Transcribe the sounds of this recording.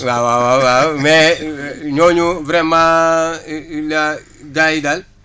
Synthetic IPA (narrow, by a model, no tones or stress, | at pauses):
wawawawamɛ | ɲoɲuvɾɛma | la | ɡaidal